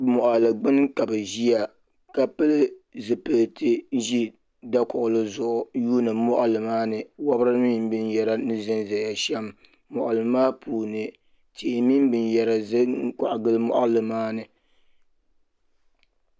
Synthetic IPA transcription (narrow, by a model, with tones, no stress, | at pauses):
mɔ˨ʔa˨lɨ˨ɡ͡bɨ˦n˦ka˨bɛ˨ʒi˦a˨ | ka˨pɨ˦lɨ˦zɨ˨pɨ˨ltʰɨ˦ʒi˦ | da˦kʊ˨ʔʊ˨lɨ˦zʊ˨ʔʊ˨juː˦nɨ˨mɔ˦ʔa˨lɨ˨maː˦nɨ˨wa˦bɾɨ˦mi˦m˦bɨ˦njɛ˨ɾa˦nɨ˦zɨ˦nza˨ja˨ʃɛ˦mː | ɔ˨ʔa˨lɨ˨˦maː˦puː˨nɨ˨ | tʰi˨mi˦m˦bɨ˨njɛ˨ɾa˨zɨ˦ka˨ʔɡɨ˦lɨ˦mɔ̰˦ʔa˦lɨ˨maː˦nɨ˨